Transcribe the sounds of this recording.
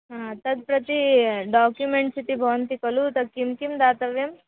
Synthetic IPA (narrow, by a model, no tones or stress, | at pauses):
ɦãt̪ɐd̪̚pɾɐt̪iɖaːkjumeɳʈsit̪ibʱɐʋənt̪ikɐlut̪ɐkimkimd̪aːt̪ɐʋjem